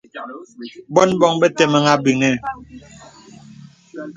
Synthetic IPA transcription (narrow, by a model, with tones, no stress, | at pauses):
bɔ˦nbɔ˦˨ŋbɛ˦te˨ma˨ŋa˦bi˨ŋɛ˦˨